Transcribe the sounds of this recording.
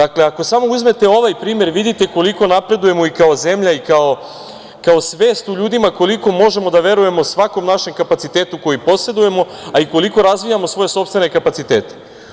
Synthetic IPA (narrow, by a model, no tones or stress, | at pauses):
d̪akle̞ako̞samo̞uzme̞t̪e̞o̞ʋajpɾiːmje̞ɾʋid̪it̪e̞ko̞liko̞napɾe̞d̪uje̞mo̞ikao̞ze̞mʎaikao̞ | kao̞sʋe̞ːst̪uʎuːd̪imako̞liko̞mo̞ʒe̞mo̞d̪aʋe̞ɾuje̞mo̞sʋako̞mnaʃe̞mkapat̪sit̪e̞ːt̪uko̞jipo̞se̞d̪uje̞mo̞ | aiko̞liko̞ɾazʋijamosʋo̞je̞so̞pst̪ʋe̞ne̞kapat̪sit̪e̞ːt̪e̥